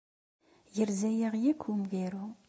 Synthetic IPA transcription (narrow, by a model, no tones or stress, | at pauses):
jəɾzæjiʁjækʷʰːumviɾu